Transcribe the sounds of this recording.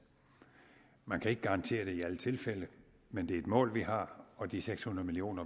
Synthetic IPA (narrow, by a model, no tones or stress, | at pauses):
mænkʰæe̝ɡ̥əɡ̥ɑ̈ʁɑ̈nt͡sʰe̝̰ːɐɾ̥e̝iælət͡sʰe̝lfelə | mend̥e̝æɐe̝d̥mɔ̰̽ːlʋihɑ̈ɒ̽d̥iseɡ̥shunɐð̩ˠmilio̝̰ːnɐ